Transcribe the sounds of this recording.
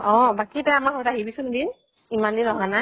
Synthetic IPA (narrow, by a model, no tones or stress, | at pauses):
ɔ̃bakitaamakxɔtaɦibisundin | imandinɔɦana